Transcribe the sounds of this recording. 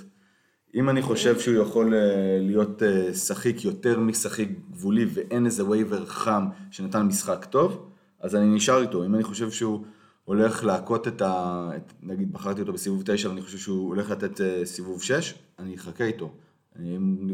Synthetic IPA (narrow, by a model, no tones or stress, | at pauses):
imaniχo̞ʃe̞vʃeujaχo̞lelijo̞tesaχikjo̞te̞ʁmisaχik̚ɡvulive̞ʔe̞neze̞wejveʁaχamʃe̞natanmisχakto̞v | ʔazaniniʃaʁito̞imaniχo̞ʃe̞vʃeu | ole̞χleako̞tetaenaɡid̪̚baχaʁt̪iotobesivuvt̪ejʃavaniχo̞ʃe̞vʃeuole̞χlat̪e̞t̪esivuvʃe̞ʃ | aniχakeito̞ | mn